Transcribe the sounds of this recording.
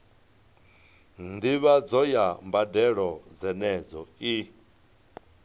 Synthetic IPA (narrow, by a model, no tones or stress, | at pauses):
nd̪iβad͡zɔjambadɛɺɔd͡zɛnɛd͡zɔi